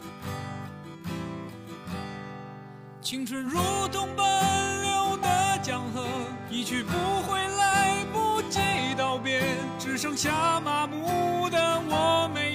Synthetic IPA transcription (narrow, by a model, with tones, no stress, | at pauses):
t͡ɕʰi˧˥ŋʈ͡ʂʰwə˧˥nɻu˧˥t̪ʰʊ˥ŋpə˧nljo˧˥ʊd̪ə˧t͡ɕjɑ˨˩ŋxɤ˧˥ni˧˩t͡ɕʰy˧˩pu˧˥xwe˥˩ɪla˥ɪpu˧t͡ɕi˥˩t̪ɑ˥˩ʊpjɛ˥n | ʈ͡ʂɻ̩˨˩ʂɤ˥ŋɕja˧˥ma˨˩mu˧˥d̪ə˧wɔ˧˥me˧˥